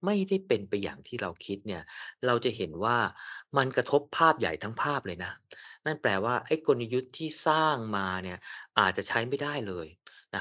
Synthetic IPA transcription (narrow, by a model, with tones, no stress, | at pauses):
ma˥˩jda˥˩jpe˧npa˧jːa̰ː˨˩ŋt̪ʰiː˥˩ɾa˧wkʰi˦˥t̪̚ni˥˩ɐɾa˧wt͡ɕa˨˩ɦe˩˦nwaː˥˩ma˧nkɾa˧t̪ʰo˦˥pʰːaː˥˩p̚ja̰˨˩jt̪ʰa˦˥ŋpʰaː˥˩p̚lɤː˧jna˦˥na˥˩nplɛː˨˧˩waː˥˩ʔa˥˩jkʰo˧na˧ju˦˥t̪ʰːiː˥˩saː˥˩ŋmaː˧ni˥˩ɐʔaː˨˩t̪̚t͡ɕa˨˩t͡ɕʰa˦˥jma˥˩jdaː˥˩jlɤː˧jna˦˥